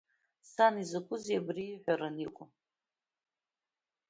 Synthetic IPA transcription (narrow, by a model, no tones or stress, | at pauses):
sanizɨkʷʼʊzjabriːħʷaɾɨnikʷʼʊ